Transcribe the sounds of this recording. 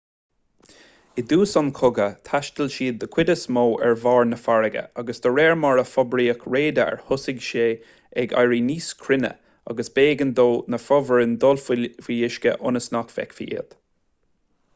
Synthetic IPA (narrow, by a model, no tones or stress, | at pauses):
ɪd̪uːsɑnkʰʊɡət̪ʰaʃt̪əlʃiːd̪əkʰw̥ɪd̪əsmoːʔɛɹvɑːɹnəfaɹəɡə̰aɡəsd̪̥əɹɛːɹmaɹəfɔbɾiːəkʰɹeːd̪əɛ̰ɹhʊsɪɡʃeː | ɛɡa̰jɹiːniːskʰɾɪnə̰ | a̰ɡəsb̥eːɡənd̪oːnəfɔvəɹənd̪ɔlffijɪʃkə̰ʔʊnəsnakfɛ̰kfḭːḭːd̪̥